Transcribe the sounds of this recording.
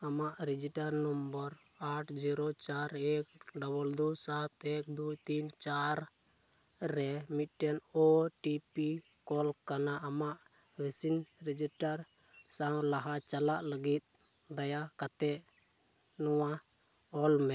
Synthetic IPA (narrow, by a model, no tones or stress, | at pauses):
amaʔɾid͡ʒiʈaɾnɔmbəɾ | aʈʰd͡ʒiɾot͡ʃaɾɛk̚ɖɔbɔld̪usat̪ɛk̚d̪ut̪int͡ʃaɾ | ɾɛmit̪̚ˀʈɛnɔʈipi | kɔlkanaʔamaʔ | wisinɾid͡ʒiʈaɾ | sãwlaɦat͡ʃalaʔləɡit̪̚ | d̪ajakat̪ɛʔ | nɔwa | ɔlmɛ